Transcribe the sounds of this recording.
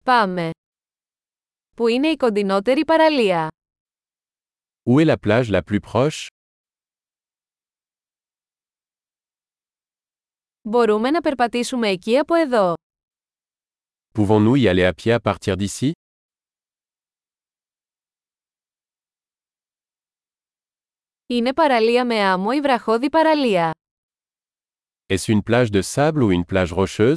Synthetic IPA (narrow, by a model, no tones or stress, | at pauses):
pɐme̞ | puine̞iko̞nd̪ino̞t̪e̞ɾipɐɾɐliɐ | uɛlaplaʒlaplypχɔʃ | bo̞ɾume̞nɐpe̞ɾpɐt̪isume̞ːciɐpo̞e̞ðo̞ | puvɔ̃nuialeapjeapaʁt̪iʁd̪isi | ine̞pɐɾɐliɐme̞ɐmoivɾɐxo̞ðipɐɾɐliɐ | ɛsynplaʒd̪əsabluynplaʒʁɔʃøz